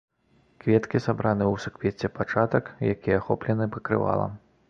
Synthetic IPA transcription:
kvʲɛt̪kʲisabɾanɨuwsɨkvʲɛt͡sʲːɛpat͡ʂat̪ɐkjakʲijɛxɔ̰plʲɛnɨpɐkɾɨ̰va̰lˠɐ̰m

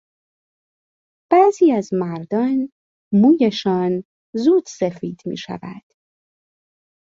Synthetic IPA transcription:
b̥æːziːæzmæɾd̪ɒːn | muːjeʃɒːn | zuːd̪̥sefiːd̪mḭːʃæ̰væ̰d̪̥

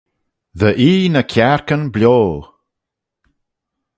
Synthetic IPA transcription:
ðəʔiːnəkʰaɹkənblʲjoː

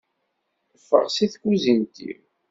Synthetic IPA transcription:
əfːə̰ʁsiθkːuzint̪ḭw

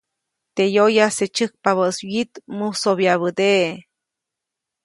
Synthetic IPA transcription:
t̪ejojaset͡ʃək̚paβəswit̪musoβjaβəd̪eʔe

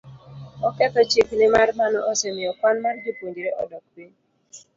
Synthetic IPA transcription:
ɔkɛtɔt͡ʃeknemaɾmanɔɔsemɪɔkwanmaɾɡipondiɾeʔɔdɔk̚be

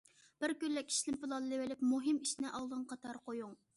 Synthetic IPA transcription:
b̥ɪɾkʲylːɛkʲʰi̥ʃlɪmpɨlˠɑnlɪwɪlɪpmuɦɨmiʃnɪʔɑʁˠd̪ɨŋqʰɑt̪ʰɑɾqojuŋ

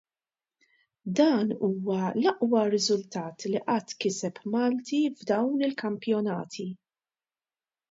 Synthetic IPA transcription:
d̪ɐːnuːwɐlɐʔwɐɾɪzʊlt̪ɐːt̪liʔɐt̪ːkɪsɛpmɐːlt̪ivd̪ɐwnɪlkɐmpjɔnɐ̰ːt̪ʰi

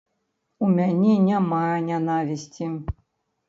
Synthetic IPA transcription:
umʲanʲɛnʲamajɐnʲanavʲisʲt͡sʲi

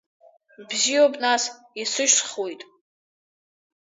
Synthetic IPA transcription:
bziobʼnas | isɨʃsχwojtʼ

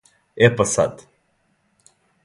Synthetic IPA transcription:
ɛpɐsa̰d̪u

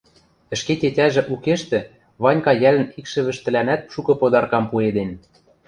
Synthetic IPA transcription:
ɘ̆ʃket̪ʲetʲæʒĕʔukeʃt̪ɘ̆ | βɑnʲkɑjælɘ̆nikʃɘ̆βɘ̆ʃt̪ɘ̆lænæt̪̚ʃukɤ̆pod̪ɑrkɑmpued̪en

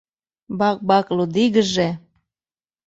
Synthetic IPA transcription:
bɑk̚bɑklud̪iɣəʒe

